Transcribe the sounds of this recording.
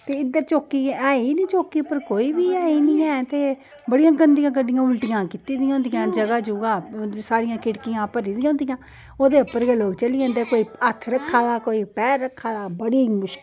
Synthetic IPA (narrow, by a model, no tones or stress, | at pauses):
t̪eːɪd̪əɾt͡ʃoːkiːaːiːnĩːt͡ʃoːkiːpəɾkoːiːbiːaːiːnĩːɛːt̪eː | bəɽɪjãːɡənd̪ɪjãːkəɖɪjãːʊlʈɪjãːkɪt̪iːd̪ɪ̃jãːʊ̃ːnd̪ɪjãːd͡ʒəɡaːd͡ʒuːɡaːsaːɾɪjãːkɪʈkɪjãːpəɾiːd̪ɪjãːʊ̃ːnd̪ɪjãː | oːd̪eːʊpəɾɡəloːɡt͡ʃəlijãːt̪eːkoːiːət̪ʰɾəkʰːaːd̪aːkoːiːpɛːɾːəkʰːaːd̪aːbəɽiːmʊʃ